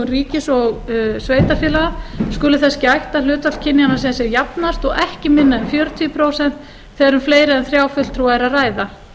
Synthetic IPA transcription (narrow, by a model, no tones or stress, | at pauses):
nriːcɪsɔɣsveːjt̪afjɪːlaɣaskʏlʏθɛscɪajht̪alʏːt̪val̥cʰɪnːjanasɛasjɛɾjapnast̪ɔɣɛhcɪmɪnːaɛnfjœːɾʏt̪ʰipʰɾoːwsɛnt̪ | θeðɾʏmfleːjɾɪɛnθɾjaːwfʏl̥t̪ʰɾuːaɛɾaraːjða